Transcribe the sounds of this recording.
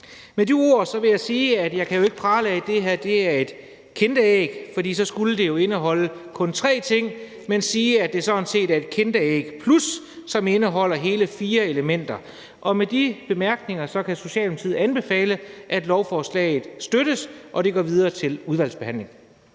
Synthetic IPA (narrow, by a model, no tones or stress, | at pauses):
medio̝ɐ̰sɒ̽ʋe̝jɑ̈ɪsiːæd̥jɑ̈ɪkʰæjo̝e̝ɡ̥əpʰʁɑ̈ːlɛ̰ɪd̥e̝ɦæɐ̰d̥e̝æɐe̝d̥ | kʰend̥əeɡ̥fɒ̽d̥ḭːsɒ̽sɡ̥uləd̥e̝jo̝e̝nəɦɒ̽ləkʰɔ̽nt͡sʰʁɛ̰ːt͡sʰe̝ŋ̰ | mensiːædd̥e̝sɒ̽ense̝̰ːdæɐe̝d̥̚kʰend̥əeɡ̥pʰlusː | ɒ̽me̝nəɦɒ̽l̰ɐɦe̝ːləfiːɐeləmen̰d̥ɐ | ʔɒ̽med̥ib̥e̝mæɐɡ̥ne̝ŋɐsɒ̽kʰæso̝ɕɛ̰ːlmet͡sʰið̰̩ˠænb̥e̝fɛ̰ːləʔæd̥lɒʊfɒːslɛ̰ːɪð̩ˠsd̥øɾ̥əsʔɒ̽ɾ̥e̝ɡ̥ɒ̰ːʋið̞ˠɐːt͡sʰe̝luð̞ˠʋæl̰sb̥e̝hæn̰le̝ŋ